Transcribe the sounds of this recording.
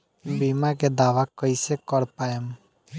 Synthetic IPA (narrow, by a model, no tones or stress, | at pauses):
biːmaked̪aːʋakəisekəɾpaːem